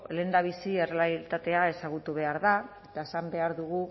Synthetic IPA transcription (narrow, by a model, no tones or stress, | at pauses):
le̞nd̪aβ̞isie̞reait̪at̪e̞ae̞saɣut̪uβ̞e̞aɾðae̞t̪aesambe̞aɾðuɣ̞u